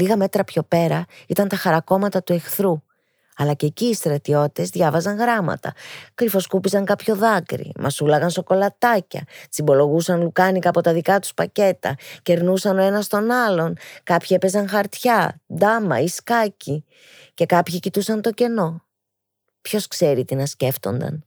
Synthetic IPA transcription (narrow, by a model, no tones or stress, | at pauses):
liɣɐme̞t̪ɾɐpço̞pe̞ɾɐit̪ɐnt̪ɐxɐɾɐko̞mɐt̪ɐt̪ue̞xθɾu | ɐlɐceciːst̪ɾɐt̪io̞t̪e̞zðʝɐvɐzɐŋɣɾɐmɐ̰t̪ɐ̰kɾifo̞skupizɐŋkɐpço̞ðɐkɾḭmʔɐsulɐɣɐnso̞ko̞lɐt̪ɐcɐ̰t͡simbo̞lo̞ɣusɐnlukɐnikɐːpo̞t̪ɐðikɐt̪u̥spɐce̞t̪ɐ̰ce̞ɾnusɐno̞e̞nɐst̪o̞nɐlo̞nkɐpçie̞pe̞zɐnxɐɾt̪çɐd̪ɐmɐ̰iskɐci | ce̞kɐpçicit̪usɐnt̪o̞ce̞no̞ | pço̞skse̞ɾit̪inɐsce̞ft̪o̞̰nd̪ɐ̰n